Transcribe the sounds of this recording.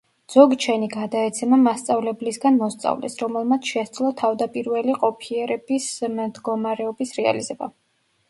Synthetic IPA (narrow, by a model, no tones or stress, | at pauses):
d̪z̥ɔɡt͡ʃʰɛniɡad̪aɛt̪sʰɛmamast̪sʼavlɛblisɡanmɔst̪sʼa̰vlɛ̰sɾɔmɛlˠmat̪sʰʃɛsd̪zlˠɔt̪ʰavd̪apʼiɾvɛliqʼɔpʰiɛɾɛb̥ismd̪ɡɔmaɾɛɔbisɾɛa̰lizɛba̰